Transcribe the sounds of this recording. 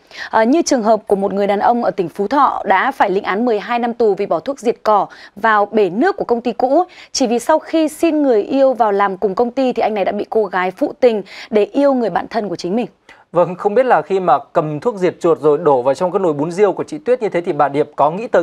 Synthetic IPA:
ʔːɲɨ˧t͡ɕɨ˨˩əŋɦəː˨˩p̚ku˧˩əmo˨˩t̚ŋɨ˨˩əjɗaː˨˩nʔə˧wŋ͡mʔəː˧˩t̪ï˧˩ŋ̟fu˨˦t̪ʰɔ̰˧˨ɗa̰ː˧˥faː˧˩jlḭ˧˥ŋʔaː˨˦nmɨ˨˩əjɦaː˧jna˧mt̪u˨˩vi˨˩ɓɔ˧˩t̪ʰu˦˥ək̚zi˨˩ət̚kɔ˧˩vaː˨˩wɓe˧˩nɨ˦˥əkːu˧˩əkə˧wŋ͡mt̪i˧kṵ˧˥t͡ɕi˧˩vi˨˩sa˧wxi˧si˧nŋɨ˨˩əjʔi˧əwvaː˨˩wlaː˨˩mkʊ˨˩ŋ͡mkə˧wŋ͡mt̪i˧t̪ʰi˨˩ʔa˧ŋna˨˩jɗa̰ː˧˥ɓḭ˧˨ko˧ɣaː˨˦jfṵ˧˨t̪ï˨˩ŋ̟ɗe˧˩ʔi˧əwŋɨ˨˩əjɓa̰ː˧˨nt̪ʰə˧nku˧˩ət͡ɕï˨˦ŋ̟mï˨˩ŋ̟ | və˧ŋxə˧wŋ͡mɓi˦˥ət̚laː˨˩xi˧maː˨˩kə˨˩mt̪ʰu˦˥ək̚zi˨˩ət̚t͡ɕu˨˩ət̚zo˨˩jɗo˧˩vaː˨˩wt͡ɕɔ˧ŋ͡mkaː˨˦jno˧˩jɓu˨˦nzi˧əwku˧˩ət͡ɕḭ˧˨t̪wi˦˥ət̚ɲɨ˧t̪ʰe˨˦t̪ʰi˨˩ɓaː˧˩ɗi˨˩əp̚kɔ˨˦ŋḭ˧˥t̪əː˨˦

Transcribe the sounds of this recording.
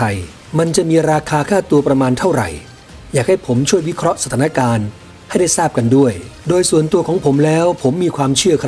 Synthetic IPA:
a˧j | ma˧nt͡ɕa˨ʔmiː˧ɾaː˧kʰaː˧kʰaː˥˩t̪u˧ɐpɾa˧maː˧nt̪ʰa˥˩wɾa̰˨˩j | jaː˨˩k̚ha˥˩jpʰo˩˦mt͡ɕʰu˥˩əjwi˦˥kʰɾɔ˦˥ʔsa˧t̪ʰaː˩˦na˥kaː˧n | ha˥˩jda˥˩jsaː˥˩p̚ka˧ndu˥˩əj | doː˧jsu˨˩ənt̪u˧əkʰɔː˩˦ŋpʰo˩˦mlɛː˦˥wpʰo˩˦mːiː˧kʰwaː˧mt͡ɕʰɯ˥˩ɐkʰɾa˦˥

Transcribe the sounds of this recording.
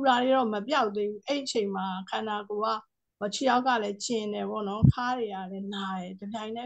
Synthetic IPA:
u˨ɾa˨ɾe˨ɾɔ˦˨mə˨pja˦ʊʔ̪e˦bu˦ʔɛ˦i˨ẽ˨ɪ̃ma˨kʰã˨nda˨ko˨a˦˨ | ɔ˨t͡ɕʰi˦˨ja˦ʊʔkːä̰˦˨lɛ˦t͡ɕɪ̃˨ndɛ˨pɔ̰˦˨nɔ˦kʰa˦ɹe˨a˦˨lɛ˦na˨jɛ˨də˨mjã˨ɪ̃nɛ˦

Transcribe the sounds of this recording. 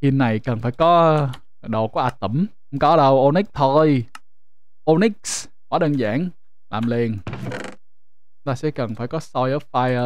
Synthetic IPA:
ki˧˩nːa˨˩jkə˨˩nfaː˧˩jkɔ˨˦ | ɗo̰˧˨ku˨˦ʔaː˨˧˩t̪ə˧˩m˧˦ | ŋ͡mkɔ˨˦ɗə˧wʔo˧ni˦˥k̚t̪ʰo˧j | ʔo˧ni˦˥k̚s | waː˨˦ɗəː˧nza̰ː˧˥ŋ | la̰ː˨˩mle˧n | t̪aː˧sɛ̰˧˥kə˨˩nfaː˧˩jkɔ˨˦sɔ˧jʔəː˨˦˥faː˧jə˧

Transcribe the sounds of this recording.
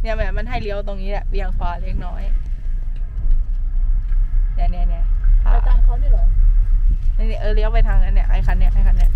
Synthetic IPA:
ni˧˩əmbɛ˧˩ma˧˥nɦa˥˩jli˦˥ə˨wt̪o˧ŋniː˦˥lɛ˧˩pi˧ə˨˩ŋkʰwaː˧˩li˦˧˥ə˩ŋ̚nɔː˦˥j | nɛ˧˩˨ni˧˩˨ni˧˩˨kʰa̰˧˨˧taː˧˩ŋkʰa˧˩li˧˥˩lɔ˧˩ | na˧˩ni˧˩ʔɤː˧˩li˦˥ə˨wpa˧jt̪ʰaː˧˩ŋna˧˥nːi˧˩ɐʔa˧˩jkʰa˧˥nːi˧˩˨ʔa˧˩jkʰa˧nːi˧˩ɐ

